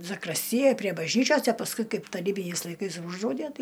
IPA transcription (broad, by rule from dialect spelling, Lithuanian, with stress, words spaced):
zɐkrɐsʲˈtʲɪjɛj pʲrʲiɛ bɐʒʲˈnʲiːt͡ʃʲoːs ɐ pɐsˈkʊɪ ˈkɐɪp tɐˈrʲiːbʲɪnʲɛɪs lˠɐɪˈkɐɪs ˈuːʒdrɐʊdʲæ ˈtɐɪ